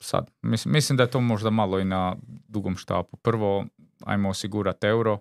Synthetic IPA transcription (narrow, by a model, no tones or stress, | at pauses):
sa̰d̪misimislimd̪ajet̪oːmo̞ʒd̪amalˠoinad̪uɡomʃt̪a̰ːpupr̩ʋo | a̰jmoosiɡuɾat̪e̞wɾo